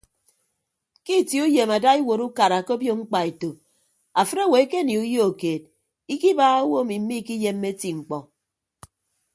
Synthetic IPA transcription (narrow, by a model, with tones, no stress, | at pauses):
ki˦˨ti˦u˦je˨ma˨da˦i˦wo˨ɾu˦ka˨ɾa˨ko˦bjo˦ŋ͡m̩˦k͡pa˨e˨to˨p̚ | a˨fɨ˦ɾa˦˨we˨˦ke˦˨ni˨u˦jo˦o˨keː˨d̚ | i˦ki˦ba˦a˦wo˦˨mi˨m̩˦mi˦ki˦je˦mːe˦ti˦ŋ͡m̩˨k͡pɔ˨